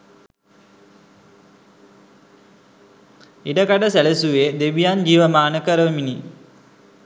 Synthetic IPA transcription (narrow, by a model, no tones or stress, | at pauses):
iɖɐkaɖəsɛlesuʋeːd̪eʋijaːnd͡ʒiːʋəmaːnəkɐɾəʋmini